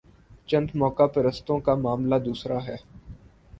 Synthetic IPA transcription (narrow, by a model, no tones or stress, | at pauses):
t͡ʃə̃nd̪mɔːkapəɾəst̪õːkamaːmlaːd̪uːsɾaːɦɛː